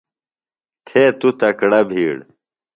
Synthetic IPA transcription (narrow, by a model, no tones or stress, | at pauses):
t̪ʰeːt̪ut̪ɐkɽɐbʱiːɽ